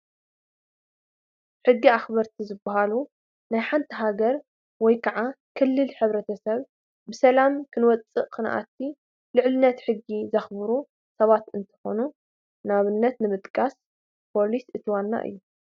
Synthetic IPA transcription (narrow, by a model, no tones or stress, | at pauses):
ħɨɡːiaxbɐɾt̪ʰizɨbːɐɦalu | najħant̪ʰiɦaɡɐɾ | wɔjkʰɐʕa | kʰɨlːɨlħɨβɾɐt̪ʰɐsɐβ | bɨsɐlamkʰɨnwɔt͡sʼɨʔkʰɨn̰ʔa̰t̪ʰːi | lɨʕlɨnːɐt̪ħɨɡːizɐxbɨɾu | sɐβat̪ɨnt̪ʰɐ̥xo̞nu | naβɨnːɐt̪nɨmɨt̪ʼkʼas | pʰo̞lisɨt̪ʰwanːa̰ʔɨ̰jːu